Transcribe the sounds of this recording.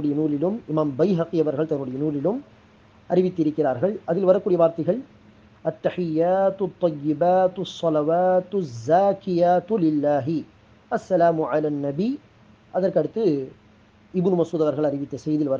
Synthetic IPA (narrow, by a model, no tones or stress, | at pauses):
ɽɐjɐnuːlɪlɯmɪmaːmbɐjɦɐqiɐʋɐɾɣɐɭt̪ɐnːɯɽɐjɐnuːlɪlɯm | ʔɐɾɪʋɪt̪ːɪɾɯkːɪraːɾɣɐɭʔɐðɪlʋɐɾɐkːuːɽɪjɐʋaːɾt̪ɐɪɣɐɭ | ʔɐt̪ːɐħɪjːaːt̪t̪ˤːɑjːɪbaːt̪sːɑlɐʋaːt̪zːaːkɪjaːt̪lɪlːaːɦɪ | ʔɐsːɐlaːmʊʕalaːnːɐbi | ʔɐðɐrkɐɽɯt̪ːɯ | ɪbnmɐsuːðɐʋɐɾɣɐɭɐɾɪʋɪt̪ːɐsɛjðɪlʋɐɾ